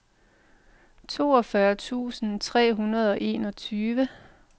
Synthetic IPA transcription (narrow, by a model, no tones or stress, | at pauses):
t͡sʰo̝ːɒfɶɐt͡sʰṵːsn̩t͡sʰʁɛ̰ːɦunɐð̞ˠɒ̽ʔe̝̰ːnɒ̽t͡sʰyːʋə